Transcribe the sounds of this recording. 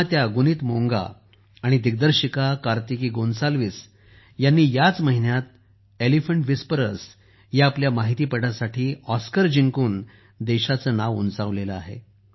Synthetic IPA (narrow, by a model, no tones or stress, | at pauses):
at̪jaɡuniːt̪moŋɡa̰ː | ɽ̃id̪iɡ̚d̪əɾɕikakaɾt̪ikiːɡonsalʋis | janːiːjat͡sməɦinjat̪̚ | elifəɳʈʋispəɾəs | jaaːpljamaɦit̪iːpəɽasaʈʰiːɔskəɾd͡ʑiŋkuːn | d̪eɕat͡sənaʋṵnt͡saʋleləaɦḛ